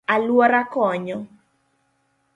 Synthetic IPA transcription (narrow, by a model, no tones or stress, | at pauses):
alwɔɾakɔɲɔ